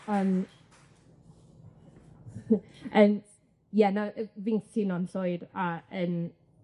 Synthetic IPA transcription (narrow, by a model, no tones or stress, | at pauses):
əːm | ən | jɛnavɪŋθɪnɔnɬojdaən